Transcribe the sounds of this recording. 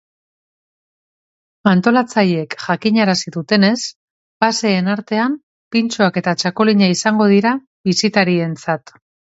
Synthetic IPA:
ant̪o̞lat͡sajekʝakiɲaɾasiðut̪e̞ne̞s | base̞ːnaɾt̪e̞am | pint͡ʃoake̞t̪at͡ʃako̞liɲaisaŋɡo̞ð̞iɾa | βisit̪aɾie̞nt͡sat̪

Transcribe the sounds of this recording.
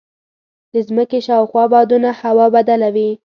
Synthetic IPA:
d̪əzməkeʃɑwxwɑbɑd̪unahawɑbad̪alawi

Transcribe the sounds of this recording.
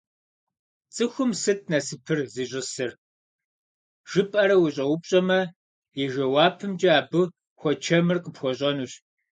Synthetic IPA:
t͡sʼɨxʷʊmsɨt̚ʰnɐsɨpʰɨrziːɕʼɪsɨr | ʒ̥ɨpʼɐɾɐwʊɕʼɐwʊpɕʼɐmɐ | jɛʒɐwaːpʰɨmd͡ʒɐaːbɨ | xʷɔt͡ʃʰɐmɨrqəpxʷɔɕʼɐnuɕ

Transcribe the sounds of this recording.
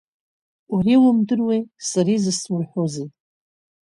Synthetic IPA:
uriwʊmdɨrwejsaɾizɨsmurħʷozɨtʼ

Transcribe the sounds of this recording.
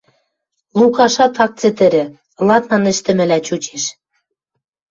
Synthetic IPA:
lukɑʃɑt̪ɑk̚t͡sĕt̪ɘ̆ɾɘ̆ | lɑt̪nɑnɘ̆ʃt̪ɘ̆mɘ̆læt͡ɕut͡ɕeʃ

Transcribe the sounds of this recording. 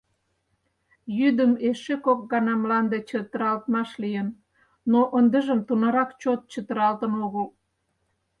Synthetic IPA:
jyd̪əmeʃekok̚ɡɑnɑmlɑnd̪et͡ɕət̪əɾɑlt̪mɑʃlijən | noʔənd̪əʒəmt̪unɑɾɑkt͡ɕot̪̚t͡ɕət̪əɾɑlt̪ənoɣəl

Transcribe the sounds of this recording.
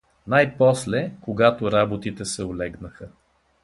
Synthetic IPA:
najpɔslɛkoɡat̪oɾabot̪it̪ɛsɛolɛɡnəxə

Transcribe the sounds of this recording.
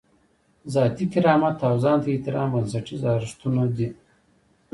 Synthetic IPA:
zɑːt̪ikiɾɑːmat̪ʰːawzɑːnt̪ait̪ɪɾɑːmbɐnsɐʈizɑːɾʂt̪unod̪i

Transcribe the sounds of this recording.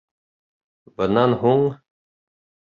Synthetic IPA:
bənanɦuŋ

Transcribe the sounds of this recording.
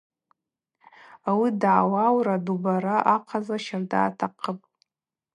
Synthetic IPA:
awidʕawawɾadubaɾaʔaqʰazaʃarda̰ːtʰaqʰəpʼ

